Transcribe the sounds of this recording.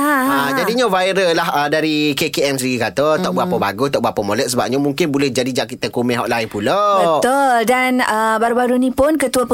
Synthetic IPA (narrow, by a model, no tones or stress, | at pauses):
aad͡ʒadiɲãvajɾəlahədaɾikekeɛmsiɡikat̪ot̪ɔʔ̚buapaba̰ɡʊst̪ɔʔbuapəmolɛt̪̚səbap̚ɲamũŋkɪnbulɛhd͡ʒadid͡ʒaʔkit̪akumɛɦɔ̰ʔlaɪnpulabt̪oldanəbaɾubaɾunĩpʊnkət̪uəpə